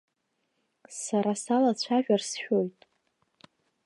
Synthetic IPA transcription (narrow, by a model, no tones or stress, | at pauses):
saɾasalat͡ɕʷʰaʒᶣarsʃᶣo̞jtʼ